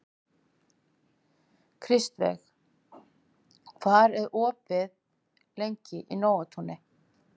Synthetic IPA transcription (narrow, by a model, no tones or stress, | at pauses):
kʰɾɪst̪vɛ̰x | kʰvaɾɛɾɔːpvɪð | lejɲcɪʔḭnoːwat̪ʰunɪ